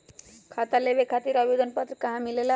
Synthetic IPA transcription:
kʰat̪alebekʰat̪iːɾʌbed̪ənpət̪ɾəkəɦãmilela

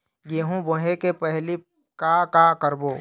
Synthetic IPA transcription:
jeːɦũboɦẽkepɛɦli | kakakəɾboː

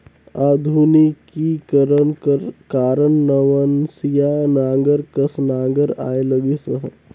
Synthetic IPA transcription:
aːd̪ʱunikkikəɾənkəɾkaːɾəɳːəʋənsijanaːŋɡəɾkəsnaːŋɡəɾa̰ːeləɡisəɦə̰̃

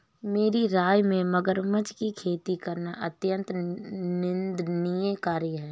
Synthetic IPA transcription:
meːɾiɾaːjmẽmɐɡəɾmət͡ʃkikʰeːt̪ikɐɾnaʔɐt̪jə̃nt̪nɪnd̪nijekaːɾjiɦɛː

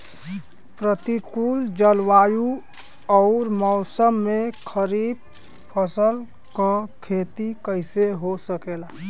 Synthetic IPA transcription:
pɾət̪ikuːld͡ʒəlwaju | ɔʊɾmɔʊsəmːekʰəɾib̚ | pʰəsəl | kɔkʰet̪ikəɪseɦosəkela

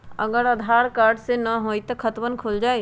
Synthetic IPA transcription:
ə̰ɡəɾɐd̪ʱaːɾkaːɾɖsenəɦoːit̪əkʰət̪ʋənkʰoːld͡ʒaːe

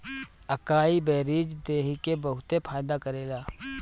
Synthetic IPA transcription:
əkaːiːbeːɾiːd͡ʒd̪eːɦikebəɦʊt̪epʰaːjd̪aːkəɾeːlaː

